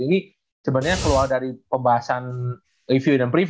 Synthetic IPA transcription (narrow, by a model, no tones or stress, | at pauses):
ini | səbənɲakəlualdaɾipəmbaɦasan | rifjudanpɾif